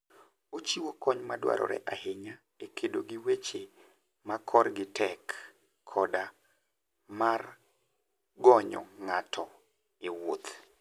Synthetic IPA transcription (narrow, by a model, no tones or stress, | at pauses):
ot͡ʃiwokɔɲmadwa̰ɾɔ̰ɾɛ̰ʔaheɲa | ekʰedoɡiwet͡ʃe | makʰɔrɡɪtɛkʰː | ɔda | mar | ɡɔɲɔ̰ŋatʰɔ | ɪwot̪